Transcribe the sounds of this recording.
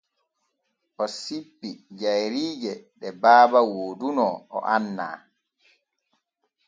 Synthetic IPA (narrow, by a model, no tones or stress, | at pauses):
ʔɔsipːid͡ʒajɾiːd͡ʒɛɗɛbaːbawoːdunɔɔ̰ʔanːa̰ː